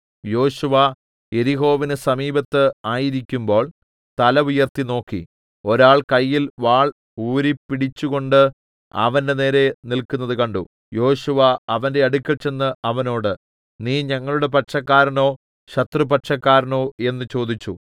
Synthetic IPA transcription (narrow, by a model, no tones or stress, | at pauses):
jo̞ːɕuʋɐ | e̞ɾiɦo̞ːʋinɨsɐmiːbɐt̪ːɨaːjiɾikʲːumbo̞ːɭ | t̪ɐlɐʋujɐrt̪ino̞ːkːḭ | o̞ɾaːɭkɐjːilʋaːɭ | uːɾipːiɽit͡ɕːuɣo̞ɳɖɨ | ɐ̰ʋɐnde̞ne̞ːɾe̞nilkunːɐðɨkɐɳɖṵ | jo̞ːɕuʋɐɐʋɐnde̞ɐɽukʲːɐɭt͡ɕe̞nːɨʔɐʋɐno̞ːɽɨ | niːɲɐŋːɐɭuɽe̞p̬ɐʈʂɐkːaːɾɐno̞ː | ɕɐt̪rɨpɐʈʂɐkːaːɾɐno̞ːe̞nːɨt͡ɕo̞ːd̪it͡ɕːṵ